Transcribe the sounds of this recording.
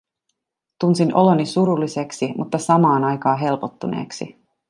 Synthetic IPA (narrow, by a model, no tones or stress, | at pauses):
t̪unsinʔo̞̰lo̞nːisuɾulːise̞ksimʔut̪ːɑsɑmɑːnɑjkɑːɦe̞lpot̪ːunḛːksḭ